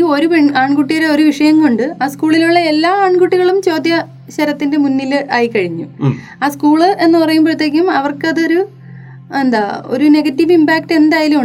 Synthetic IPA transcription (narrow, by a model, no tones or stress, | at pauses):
o̞ɾupeɳaːɳkuʈːijɐɾeo̞ɾuʋiʂɐjɐmkoɳɖɨaːskuːɭiluɭːɐe̞lːaːaːɳkuʈːiɣɐɭumt͡ɕo̞ːd̪jɐ | ɕɐɾɐt̪ːinde̞munːilɨʔaːjikːɐɻiɲːu | aːskuːɭɨe̞nːɨpɐrɐjumprɐt̪je̞ːk̬ʲːumɐʋɐrkɐðɨo̞ɾu | e̞nd̪aːo̞̰ɾune̞ɡɐtːiʋimbaːk̚ʈe̞nd̪aːjɐlumu